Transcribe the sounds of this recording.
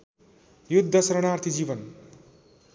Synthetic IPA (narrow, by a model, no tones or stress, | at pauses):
jud̪ʱːʌsʌɾʌɽ̃art̪ʰid͡zibʌn